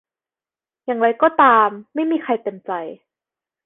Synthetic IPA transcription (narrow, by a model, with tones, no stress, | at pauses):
jaː˨˩ŋɾa˧jkɔː˥˩t̪aː˧mːa˥˩jmiː˧xʰa˧jt̪e˧˩mt͡ɕa˧j